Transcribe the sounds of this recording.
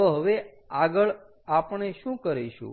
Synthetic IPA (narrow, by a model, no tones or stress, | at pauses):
oɦəʋe | aɡəɭ | apəɳ̃eʃũkəɾeʃṵ̃